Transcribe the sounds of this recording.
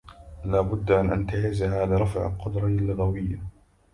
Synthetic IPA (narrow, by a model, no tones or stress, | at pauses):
laːbʊd̪ːmanʔant̪aʕɪzaɦaːðaɾˤɑfʕa̰lqʊd̪ɾˤɑlːʊɣawɪjːa